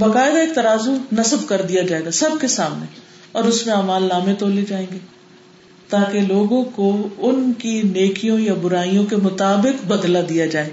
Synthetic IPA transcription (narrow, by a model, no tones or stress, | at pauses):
bɐkaːɪd̪aeːk̚t̪ɐɾaːzunɐsəbkɐɾd̪ijad͡ʒaːeːɡasɐbkesaːmne | ɔːɾʊsmẽaːmaːlːaːmẽt̪oːled͡ʒaːẽːɡeː | t̪aːkeloːɡõkoʊnkineːkijõjabʊɾaːijõk̬emʊt̪aːbɪkbɐd̪lad̪ijad͡ʒaːeːɡ